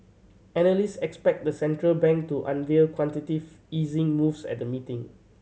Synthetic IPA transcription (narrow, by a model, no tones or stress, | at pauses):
ɛnəlistɛkspɛk̚dəsɛ̃ntɹəlbɛ̃ŋk̚tuʔã̰nvelkʰwɔ̃ntitiv | izɪ̃ŋmufsɛ̰t̚dəmitɪ̃ŋ